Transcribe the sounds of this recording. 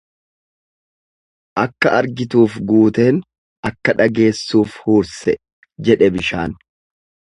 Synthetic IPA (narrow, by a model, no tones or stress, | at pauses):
ʔɐkːɐʔɐɾɡɪt̪uːfɡuːt̪e̞ːn | ʔɐkːɐᶑɐɡe̞ːsːuːfhuːɾsɛ | d͡ʒɛᶑɛbɪʃa̰ːn